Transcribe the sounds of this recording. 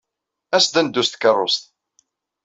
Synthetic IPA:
æsd̪ænd̪ːust̪kərˤːost̪

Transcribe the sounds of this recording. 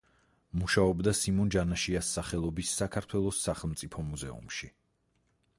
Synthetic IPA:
muʃaɔbd̪asimɔnd͡ʒanaʃiasːaχɛlˠɔbisːakʰaɾt̪ʰwɛlˠɔsːaχɛlˠmt̪sʼipʰɔmuzɛ̰ṵmʃi

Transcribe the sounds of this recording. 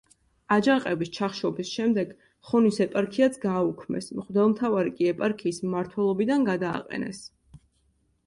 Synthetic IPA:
ad͡ʒaqʼɛbist͡ʃʰaχʃɔbisʃɛmd̪ɛɡ | χɔnisɛpʼaɾkʰiat̪sʰɡaːukʰmɛ̰smχvd̪ɛlˠmt̪ʰavaɾikʼiɛpʼaɾkʰiːsmmaɾt̪ʰwɛlˠɔbid̪anɡad̪a̰ːqʼɛ̰nɛ̰s

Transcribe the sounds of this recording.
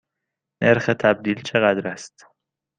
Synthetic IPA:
nʔeɾxet̪ʰæb̚d̪iːlt͡ʃʰe̞ɣæd̪ɾæst̪

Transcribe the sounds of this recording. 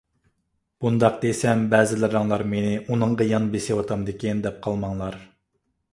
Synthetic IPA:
b̥und̪ɑq̚d̪esɛmbɛːzɪlɪɾɑŋlˠɑɾmenɪʔunɨŋʁɑjɑnbesewɑt̪ʰɑmd̪ɪkʲɛnd̪ɛp̚qʰɑlˠmɑŋlˠɑɾ

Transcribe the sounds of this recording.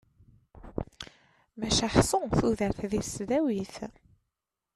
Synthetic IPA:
mæʃæħsʊθuðəɾθðisðæwiθ

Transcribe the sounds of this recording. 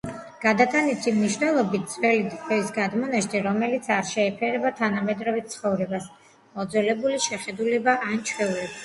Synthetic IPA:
ɡ̥ad̪at̪ʰʼanit̪ʰimniʃnɛlˠɔbit̪̚ʰd̪zvɛlid̪ɔisɡad̪mɔnaʃd̪iɾɔmɛlit̪sʰaɾʃɛːpʰɛɾɛbat̪ʰanamɛd̪ɾɔvit̪̚sʰχɔvɾɛbas | mɔd̪zwɛlɛbuliʃɛχɛd̪ulɛbaʔant͡ʃʰwɛulɛb

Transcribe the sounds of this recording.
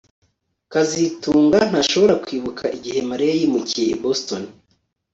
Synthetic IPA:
kazituːŋɡan̥haʃo̞βo̞ɾakwiːβukʰaʔiɟihe̞maɾeajimuciḛboston

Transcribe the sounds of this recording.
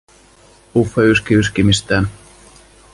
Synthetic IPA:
ufeyskiyskimist̪æːn

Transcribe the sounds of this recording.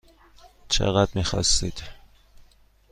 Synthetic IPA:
t͡ʃʰḛɣæd̪̥miːxɒ̰st̪iːd̪̥

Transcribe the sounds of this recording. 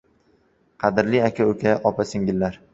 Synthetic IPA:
qʰɑd̪ɪɾliakʲʰaɵkʲʰaʔɒpʰasɪŋɡʲɪlːaɾ

